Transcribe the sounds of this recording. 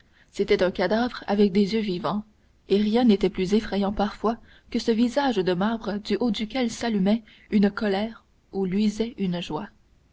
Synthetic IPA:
set̪ɛt̪œ̃kad̪avʁa̰vɛk̚d̪ezjøvivɑ̃ | eʁjɛ̃net̪ɛplyzefχɛjɑ̃paʁfwa | kəsəvizaʒd̪əmaʁbʁəd̪yʔod̪ykʲɛlsalymɛ | ynkɔlɛːʁ | ulɥizɛynʒwa

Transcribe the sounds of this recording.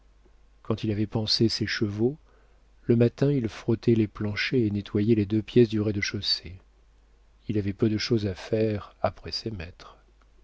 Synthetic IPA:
kɑ̃t̪ilavɛpɑ̃seseʃəvo | ləmat̪ɛ̃ilfχɔt̪ʰɛleplɑ̃ʃeenet̪wajɛled̪øpjɛsd̪yʁɛd̪əʃose | ilavɛpød̪əʃozafɛʁapχɛsemɛt̪χ

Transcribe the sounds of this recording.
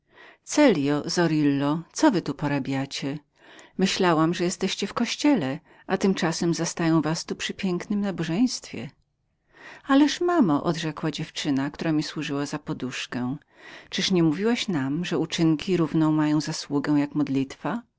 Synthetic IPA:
t̪sɛlʲjɔzɔɾilːɔt̪sɔvɘt̪upɔɾabʲjat͡ɕɛ | mɘɕlawamʐɛjɛst̪ɛɕt͡ɕɛfkɔɕt͡ɕɛlɛ | ʔat̪ɘmt͡ʂasɛmzast̪ajɔ̃w̃vast̪upʂɘpʲjɛŋknɘmnabɔʐɛj̃st̪fʲjɛ̰ | alɛʂmamaʔɔ̰d̪ʐɛkwad͡ʑɛft͡ʂɘnakt̪uɾamʲiswuʐɘwazapɔd̪uʂkɛ̃ | t͡ʂɘʂɲɛmuvʲiwaɕnamʐɛut͡ʂɘŋkʲiɾuvnɔ̃w̃majɔ̃w̃zaswuɡɛw̃jakmɔd̪lʲit̪fa

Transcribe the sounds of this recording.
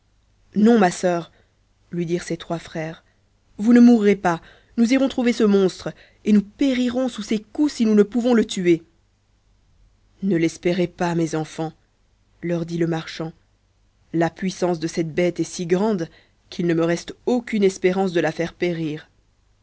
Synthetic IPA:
nɔ̃masœːʁ | lɥid̪iʁset̪χwafχɛːʁ | vunəmuʁːepa | nuziʁɔ̃t̪χuvesəmɔ̃st̪χ | enupeʁiʁɔ̃susekusinunəpuvɔ̃lət̪ye | nəlɛspeʁepamɛzɑ̃fɑ̃ | lœʁd̪iləmaʁʃɑ̃ | lapɥisɑ̃s̬d̪əsɛt̪̚bɛt̪ɛsiɡʁɑ̃d̪ | kʰilnəməʁɛst̪okʲynɛspeʁɑ̃s̬d̪əlafɛʁpeʁiːʁ

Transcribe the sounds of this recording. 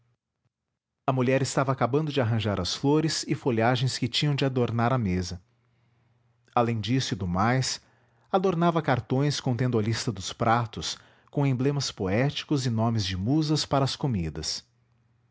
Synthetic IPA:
ɐmuʎɛɾɪst̪avɐaːkabɐ̃d̪ʊd͡ʒɪaɦɐ̃ʒaɾɐsfloɾɪsɪfoʎaʒẽj̃skɪt͡ʃĩɲɐ̃w̃d͡ʒɪad̪oɾnaɾɐmezɐ | alẽj̃d͡ʒisʊɪd̪ʊmajs | ad̪oɾnavɐkaɾt̪õj̃skõñt̪ẽd̪ʊɐlist̪ɐd̪ʊspɾat̪ʊs | kõẽmblẽmɐspoɛt͡ʃi̥kʊzɪnõmɪzd͡ʒɪmuzɐspaɾɐːskomid̪ɐs

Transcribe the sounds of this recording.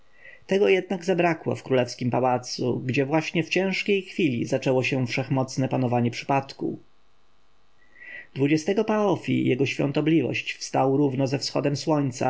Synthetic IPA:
t̪ɛɡɔjɛd̪̚naɡzabɾakwɔ̰fkɾulɛfskʲimpawat̪sṵɡd͡ʑɛvwaɕɲɛft͡ɕɛ̃w̃ʂkʲejxfʲilʲḭzat͡ʂɛwɔɕɛfʂɛxmɔt̪snɛpanɔvaɲɛpʂɘ̥pat̪kṵ | d̪vud͡ʑɛst̪ɛɡɔpaɔfʲḭjɛɡɔɕfʲjɔ̰nt̪ɔblʲivɔ̰ɕt͡ɕfst̪awɾuvnɔzɛfsxɔ̰d̪ɛmswɔɲt̪sa̰

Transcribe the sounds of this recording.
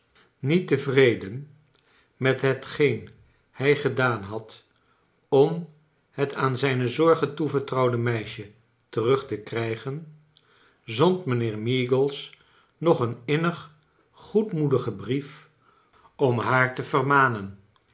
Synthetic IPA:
nitəvrejdən | mɛtɦətχejn | hɛjχədaːnɦɑt | ɔm | hətʰaːnzɛjnəzɔɹχətuvəɹtrɑwdəmɛjʃə | tərɵχtəkrɛjχən | zɔntmənɪːɹmiɡəlˠs | nɔχənɪnəχ | χutmudəχəbrif | ɔmɦaːɹtəvərmaːnən

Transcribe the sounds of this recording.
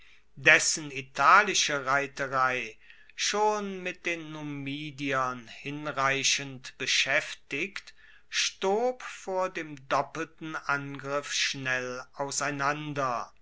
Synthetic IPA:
dɛsənitʰaːlɪʃəʁaɪtəʁaɪ | ʃoːnmɪt̚d̥eːnːumiːdiɐnhɪnʁaɪɕəntb̥əʃɛftɪkt | ʃtoːpfoːɐdeːmdɔpəl̩tn̩ʔanɡʁɪfʃnɛlʔaʊsaɪnandɐ

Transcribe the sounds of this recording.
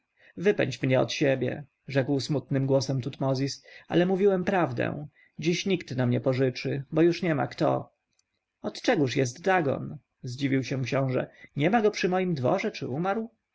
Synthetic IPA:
vɘpɛ̰ɲt͡ɕmɲɛɔ̰t̪ɕɛbʲjɛ̰ | ʐɛkwsmut̪nɘmɡwɔsɛmt̪ut̪mɔzʲisʔa̰lɛmuvʲiwɛmpɾavd̪ɛ̰̃w̃ | d͡ʑiɕɲikt̪namɲɛpɔʐɘt͡ʂɘbɔjuʂɲɛma̰kt̪ɔ̰ | ɔt̪t͡ʂɛɡuʂjɛst̪ːaɡɔ̰n | zd͡ʑivʲiwɕɛ̃kɕɔ̃w̃ʐɛ̰ɲɛmaɡɔpʂɘmɔjimd̪vɔ̰ʐɛt͡ʂɘumaɾw

